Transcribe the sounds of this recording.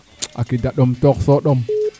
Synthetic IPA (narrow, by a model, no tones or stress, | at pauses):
a̰kidaɗomtoksoɗom